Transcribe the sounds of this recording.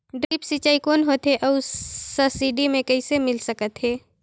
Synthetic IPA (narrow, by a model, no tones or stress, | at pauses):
ɖɾiːpsit͡ʃaːikoːnɦoːt̪ɦeʔɔːsəsiːɖimẽkɐisemɪlsəkət̪ɦeː